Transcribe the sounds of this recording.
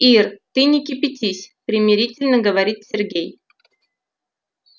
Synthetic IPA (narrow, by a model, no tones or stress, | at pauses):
irt̪ɨnʲɪkʲɪpʲɪtʲisʲpɾʲɪmʲɪɾʲitʲɪlʲnəɡəvɐɾʲit̪sʲɪrɡʲej